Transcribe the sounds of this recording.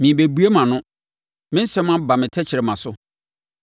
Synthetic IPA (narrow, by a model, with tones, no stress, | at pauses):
mĩ˨be˨bu˨˦e˦mã˨nʊ̃˦ | mɪ̃˦n̩˦sɛ̃˦mã˦ba˨mɪ̃˨tʰɛ˦t͡ɕʰɪ˨ɾɛ˨mã˨sʊ˦